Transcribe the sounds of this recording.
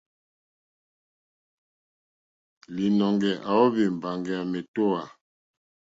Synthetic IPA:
li˨nɔ˨ŋɡɛ˨ʔa˨ɔ˦βi˨m̩˨ba˨ŋɡɛ˨a˨mɛ˨to˦a˨

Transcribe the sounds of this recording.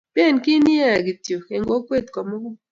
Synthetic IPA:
pe˦˨nkɪ˦ni˦a˦˨ɡi˨tjo˨ke˨ŋɡo˦kwe˦˨t̪kɔ˨mɔ˦ɡʊ˦

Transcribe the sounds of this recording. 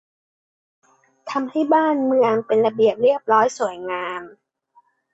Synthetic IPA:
t̪ʰa˧mha˥˩jbaː˥˩nmɯ˧əŋpe˧nɾa˧bi˨˩əp̚ɾi˥˩əp̚ɾɔː˦˥jsu˨˩˦əjŋaː˧m

